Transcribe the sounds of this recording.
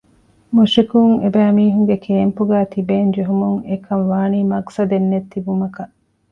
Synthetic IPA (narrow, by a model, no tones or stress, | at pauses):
muʃikuŋebæːmiːɦuŋɡekʰeːmpuɡæːt̪ibeːnd͡ʒeɦumuŋekʰɐnʋaːniːmɐksɐd̪enːet̪ːibumɐkɐʔ